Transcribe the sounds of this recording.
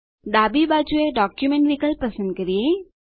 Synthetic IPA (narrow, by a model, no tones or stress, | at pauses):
d̪aːbibaːd͡ʒueɖɔːkjumẽɳʈʋikəlpɐsənd̪̚kɐɾije